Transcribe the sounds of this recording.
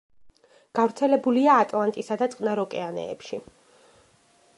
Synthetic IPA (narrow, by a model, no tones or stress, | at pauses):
ɡ̥avɾt̪sʰɛlɛbuliaːt̪ʼlˠant̪ʼisad̪at̪sʼqʼnaɾɔkʼɛanɛ̰ːpʃi